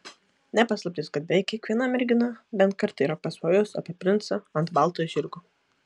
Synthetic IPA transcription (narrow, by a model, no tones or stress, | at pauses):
nʲɛpɑslˠɐp̚ʲt̪ʲɪskɐt̪̚bʲɛjkʲɛkʋʲiɛnɐmʲɛɾʲɡʲɪnɑbʲɛnt̪̚kɐɾt̪iːɾɐpɐsʋoːjosɐ̰pʲɛpʲɾʲɪnt̪sɐɐnt̪bɑˑlˠt̪oːjʒʲɪɾɡʊ